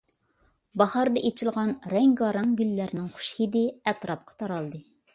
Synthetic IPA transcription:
bɑhɑɾd̪ɑʔet͡ʃʰɪlˠʁɑnɾɛŋɡɑɾɑŋɡʲylːæɾnɪŋχu̥ʃhid̪ɪɛt̪ɾɑp̚qʰɑ̥t̪ʰɑɾɑlˠd̪ɨ

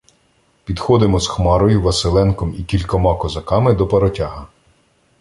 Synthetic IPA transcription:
pʲid̪xɔd̪ɪmɔzxmɑɾɔjʊʋɐsɪlˠɛnkɔmikʲilʲkɔmɑkɔzɐkɑmɪd̪ɔpɐɾɔtʲɑɦɐ

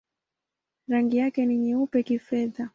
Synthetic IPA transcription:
ɾaŋɡijakɛniɲɛupɛkifɛða

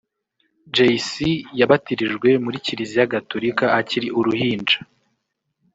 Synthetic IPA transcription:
d͡ʒejsijaβatiɾiʒɡwe̞muɾiciɾizijaɡatoɾikaːciɾiʔuɾuhiːnd͡ʒa

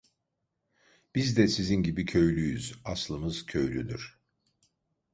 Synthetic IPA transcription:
b̥izd̪ɛsizinɟibicʰø̞jlʲyjyz̥aslˠɯmɯz̥cʰø̞jlʲyd̪yɾ̥

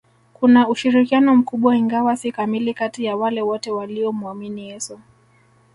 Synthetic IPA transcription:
kunauʃiɾikianɔm̩kuɓwaiŋɡawasikamilikatijawalɛwɔtɛwaliɔmuaminiɛsɔ

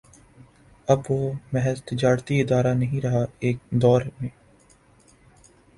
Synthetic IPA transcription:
ɐbʋoːmɛɦɛzt̪ɪd͡ʒaːɾt̪iɪd̪aːɾanɐɦĩɾɐɦaeːk̚d̪ɔːɾmẽː

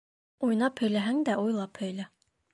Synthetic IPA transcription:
uj̆nɑphɵ̆jlæɦæŋd̪æujlˠɑphɵ̆jlæ

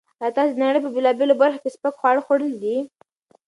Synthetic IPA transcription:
lɑt̪ɑsed̪naɽəjpəbelɑbelobaɾxokespakxwɑɽxoɽəld̪i

